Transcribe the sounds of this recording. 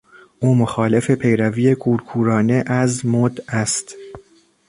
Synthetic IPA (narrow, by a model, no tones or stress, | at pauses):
ʔuːmoxɒːle̞fe̞pʰe̞jɾæviːjekʰuːɾkʰuːɾɒːne̞ʔæzmod̪æst̪